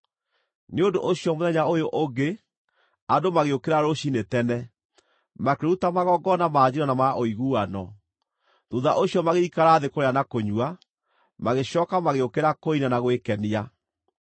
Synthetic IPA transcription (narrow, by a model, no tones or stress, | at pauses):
neondoʔoɕiɔmoðɛɲaojoʔoɡe | adomaɣeokeɾaɾoɕinetɛnɛ | makeɾutamaɣɔɡɔnamaːd͡ʑiɾɔnamaʔoiɣuːanɔ | doðaʔoɕiɔmaɣeikaɾaːðekoɾeanakoɲua | maɣeɕɔːkamaɣeokeɾakoinanaɣowekɛnia